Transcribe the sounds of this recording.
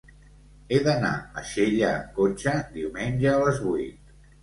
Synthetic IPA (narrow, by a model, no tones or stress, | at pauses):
eðəna̰əʃeʎəːkot͡ʃəd̪iwmenʲʒəːləzβuit̪̚